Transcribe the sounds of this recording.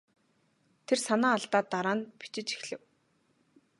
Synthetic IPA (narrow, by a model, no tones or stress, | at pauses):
t̪ʰersanaːɬt̪aːt̪aɾaːnpi̥t͡ɕɪ̆t͡ɕi̥xɮɘ̆w